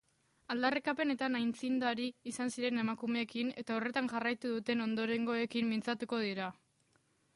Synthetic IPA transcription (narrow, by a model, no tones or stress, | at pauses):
ald̪arekape̞ne̞t̪anajnt͡sind̪aɾiːsansiɾe̞ne̞makume̞ːkine̞t̪ao̞re̞t̪aŋʝarajt̪uðut̪e̞no̞nd̪o̞ɾe̞ŋɡo̞e̞kimmint͡sat̪uko̞ð̞iɾa